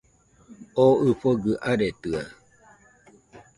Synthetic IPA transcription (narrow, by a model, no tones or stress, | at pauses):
oɨfoɡɨʔaɾet̪ɯa